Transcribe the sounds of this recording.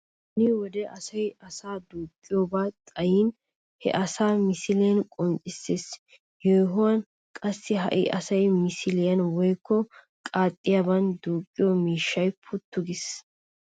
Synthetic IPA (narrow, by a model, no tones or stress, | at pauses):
hʊnɪwɔd̪ɛʔɐsɐjɐsaːd̪uːkʼːɪjoːbaːt̪ʼɐjiːn | hɛ̰ʔɐsaːmɪsɪlɪjɐnkʼɔnt͡ʃʼːɪsːeːs | jɔjɦʊwɐn | kʼɐsːɪɦɐ̰ʔɪ̰ʔɐsɐjmɪsɪlɪjɐnwɔjkːɔ | kʼaːt̪ʼːɪjabɐnd̪uːkʼːɪjomiːʃːɐjpʰʊt̪ːʊɡɪs